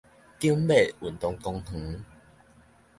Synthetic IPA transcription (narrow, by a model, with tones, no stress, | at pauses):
ki˦mbe˥˨u˨˩nt̪ɔ˧ŋkɔ˧ŋh̩˨˦